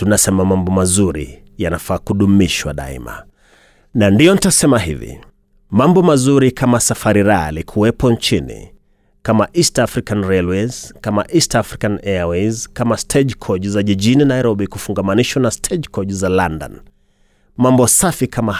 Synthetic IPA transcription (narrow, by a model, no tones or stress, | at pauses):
tunasɛmamambɔmazuɾḭ | janafaːkuɗumiʃwa̰ɗa̰ḭma̰ | nandijɔnitasɛmahḭvḭ | mambɔmazuɾikʰamasafaɾiɾalikʰuwɛpɔnt͡ʃinḭ | kamaʔistaafɾikanɾɛlwɛzkama̰ʔistaafɾikanɛawɛzkamastʰɛʄkʰɔʄuzaʄiʄininaiɾɔɓikufuŋɡamaniʃwanastʰɛʄkɔʄuzalanda̰n | mambɔsafikʰama